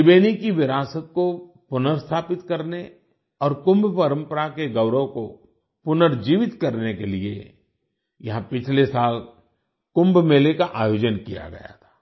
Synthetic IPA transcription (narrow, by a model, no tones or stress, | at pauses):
ɪbeːnikiʋɪɾaːsək̪̚ko | pʊnəɾst̪ʰaːpɪt̪kɐɾne | ɔːɾkʊ̃mbpɐɾə̃mpəɾakeɡɐʊɾəko | pʊnəɾd͡ʒiːʋɪt̪kɐɾnekeliḛ | jɐɦãpɪt͡ʃʰlesaːl | kʊ̃mbmeːlekaʔaːjoːd͡ʒənkija̰ɡɐ̰ja̰t̪ʰḁː